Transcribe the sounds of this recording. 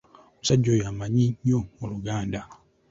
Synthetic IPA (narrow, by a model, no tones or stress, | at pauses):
omusaɟːojamaɲiɲːomuluɡaːnda